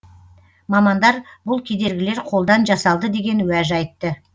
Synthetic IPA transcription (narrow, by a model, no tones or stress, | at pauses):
mɑmɑnd̪ɑɾbʊlˠkʲʰe̞d̪e̞ɾɡʲɪle̞ɾqʰo̞lˠd̪ɑnʒɑsɑlˠd̪əd̪e̞ɡʲe̞nwæʒɑjt̪ːə